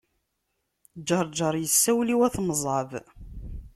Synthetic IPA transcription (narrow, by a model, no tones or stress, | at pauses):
d͡ʒːɑɾˤd͡ʒəɾˤjəsːæwliwæθməzˤʕəv